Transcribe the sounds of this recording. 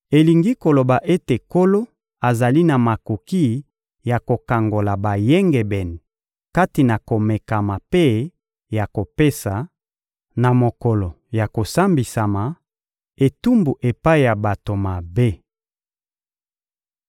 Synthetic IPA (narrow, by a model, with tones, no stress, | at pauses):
e˨li˨ŋɡi˦ko˨lo˨ba˨ʔe˦te˨ko˦lo˦ | a˨za˨li˦na˨ma˨ko˨ki˦ | ja˨ko˨ka˨ŋɡo˨la˨ba˨je˦ŋɡɛ˨bɛ˨ni˨ | ka˦ti˨na˨ko˨me˨ka˨ma˨pe˦ | ja˨ko˨pe˦sa˨ | na˨mo˨kɔ˨lo˨ | ja˨ko˨sa˦mbi˨sa˨ma˨ | e˨tu˦mbu˨ʔe˨pa˦i˨ja˨ba˨to˨ma˨be˦